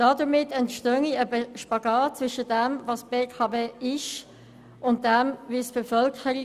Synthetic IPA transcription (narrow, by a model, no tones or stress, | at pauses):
d̥ɑdəmɪtɛntʃtœŋiəbʃpɑɡɑːt̚t͡svʏʃədæmvɑːsb̥eːkʰɑːbeːɪʃ | ʊnt̚d̥ɛmvisb̥ɛfœlkχəɾi